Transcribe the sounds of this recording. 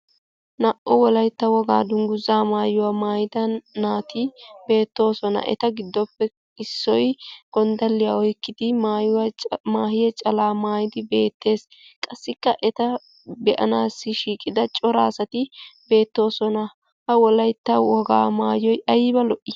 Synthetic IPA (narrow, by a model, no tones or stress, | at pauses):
nɐʔɔwɔlɐjt̪ːɐwɔɡa̰ːd̪ʊŋɡʊzaːmaːjʊwaːmaːjɪd̪ɐnːaːt̪ɪbe̞ːt̪ːo̞ːsɔnɐ̰ʔɛ̰t̪ɐɡɪd̪ːɔpːɛ | ɪsːɔjɡ̥ɔnd̪ɐlːɪjaɔjkːɪd̪ɪmajwmaːɦɪjɛt͡ʃʼɐlaːmaːjɪd̪ɪbe̞ːt̪ːe̞ːs | kʼɐsːɪkːɐʔɛt̪ɐ | bɛʔɐnaːsːɪʃiːkʼɪd̪ɐt͡ʃʼɔɾaːsɐt̪ɪbe̞ːt̪ːo̞ːsɔnɐ | hɐwɔlɐjt̪ːɐwɔɡa̰ːmaːjɔjɐjɪbɐlɔʔɪ